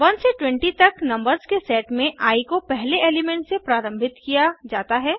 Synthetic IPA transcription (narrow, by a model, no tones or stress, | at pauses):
ʋɐ̃nseʈwɛ̃ɳʈit̪ɐknɐ̃mbəɾzkesɛːʈmẽʔaːikopɛɦleeːlɪmɛ̃ɳʈsepɾaːɾə̃mbʱɪt̪kijad͡ʒaːt̪aɦɛː